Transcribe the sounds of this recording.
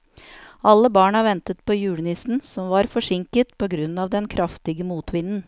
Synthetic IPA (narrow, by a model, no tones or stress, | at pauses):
ʔɑlːəbɑːɳɑʋɛnt̪ət̪̚pʰoːjʉːɽnɪsn̩sɔmʋɑɾfɔʂɪŋkət̪pʰoːɡɾʉnːɑːʋd̪ɛnkʰɾʔɑft̪ɪɡəmuːt̪ʰʋɪnən